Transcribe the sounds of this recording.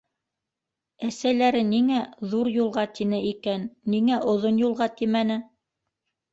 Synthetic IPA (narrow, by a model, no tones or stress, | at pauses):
æsælæɾɘniŋæðuɾjulˠʁɑt̪inɘikænːiŋæʔŏðonjulˠʁɑt̪imænɘ